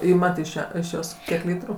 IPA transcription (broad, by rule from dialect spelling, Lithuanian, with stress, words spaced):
ˈɪmɐt ɪʃ ˈjæː ɪʃ ˈjoːs ˈkʲiɛk ˈlʲiːtrʊ